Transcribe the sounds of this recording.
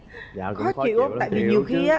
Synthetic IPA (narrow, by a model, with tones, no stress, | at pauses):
kɔ˨˦t͡ɕḭ˧˩wt̪a̰ː˧˨jvi˨˩ɲi˨˩əwxi˧a˨˦